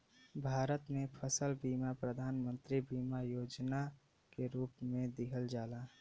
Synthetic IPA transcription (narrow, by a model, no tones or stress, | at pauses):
bʱaːɾət̪mẽpʰəsəlbiːmapɾəd̪ʱaːnmə̃nt̪ɾibiːmajoːd͡ʒna | keɾuːpmẽd̪ɪkʰəld͡ʒaːlaː